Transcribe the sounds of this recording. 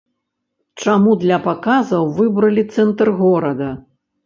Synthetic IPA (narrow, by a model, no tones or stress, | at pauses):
t͡ʂamud̪lʲɐpakazɐwvɨbɾɐlʲit̪sɛnt̪rɣɔɾɐd̪ɐ